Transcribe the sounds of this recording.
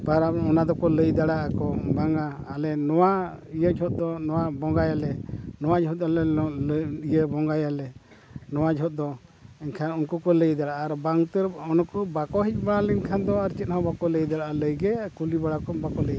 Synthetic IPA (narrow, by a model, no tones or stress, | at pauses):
baɾaɔnad̪ɔkɔləjd̪aɽaʔakɔbaŋaːlɛnɔwa | ijəd͡ʒʰʱɔt̪̚ˀd̪ɔnɔwabɔŋɡajalɛnɔwad͡ʒɔt̪̚alɛlijəbɔŋɡajalɛ | nɔwad͡ʒʱɔt̪̚d̪ɔɛɲkʰanunkukɔləjd̪aɽaʔaɾbaŋt̪ɛɾɔnɔkɔbakɔɦic̚ˀbaɽalɛɲkʰand̪ɔaɾt͡ʃit̪̚hɔbakɔləjd̪aɽaʔaləjɡɛkulibaɽakɔbakɔləj